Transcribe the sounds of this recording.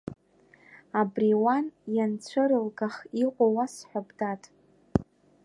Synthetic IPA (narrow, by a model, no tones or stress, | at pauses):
abriwanjant͡sʷʰɨɾɨlɡaχiqʷʼawasħʷᶣabdatʼ